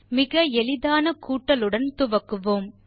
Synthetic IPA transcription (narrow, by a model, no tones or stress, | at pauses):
mɪɣɐɛlɪðaːnɐkuːʈːɐlɯɽɐnt̪ʊʋɐkːɯʋoːm